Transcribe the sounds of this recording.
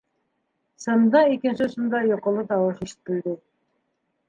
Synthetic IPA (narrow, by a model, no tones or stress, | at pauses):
sɤ̆nd̪ɑikɘ̆nsɘsɤ̆nd̪ɑjŏqŏlˠɤt̪ɑwɤʃiʃɘ̥̆t̪̚ːɘ̆ld̪ɘ